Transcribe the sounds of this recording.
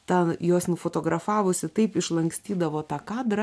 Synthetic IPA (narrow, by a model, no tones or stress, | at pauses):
t̪ɐjoːsnʊfoːt̪oːɡɾɐfɑːʋʊsʲɪt̪ɐɪpɪʃlˠɐŋksʲt̪ʲiːd̪ɐʋoːt̪ɑːkɑːd̪ɾɐ